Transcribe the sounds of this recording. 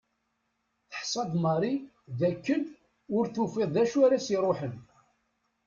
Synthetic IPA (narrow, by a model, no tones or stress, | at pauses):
θə̥ħsˤɑd̪ˤmɑɾˤi | ðækːən | ʊɾθufɪðˤðæʃuæɾæsiɾˤoħən